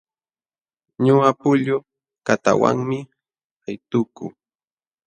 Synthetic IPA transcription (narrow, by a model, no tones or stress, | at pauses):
ɲʊapʊʎʊ | kat̪a̰wa̰ŋmɪ | ajt̪ʊkʊ